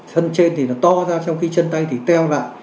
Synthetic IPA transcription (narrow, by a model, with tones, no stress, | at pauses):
t̪ʰə˧nt͡ɕe˧nt̪ʰi˨˩nɔ˨˦˩t̪ɔ˧zaː˧t͡ɕɔ˧wŋ͡mxi˧t͡ɕə˧nt̪a˧jt̪ʰi˨˩t̪ɛ˧wla̰ː˧˨j